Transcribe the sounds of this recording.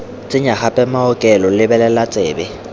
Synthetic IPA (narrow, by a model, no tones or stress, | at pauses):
t͡sʼɪɲaχapʼɛmaɔkʼɛlɔlɪbɛlɛlat͡sʼeːbɛ